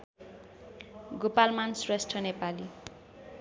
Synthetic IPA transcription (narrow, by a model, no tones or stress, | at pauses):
ɡopalmansresʈʌnepali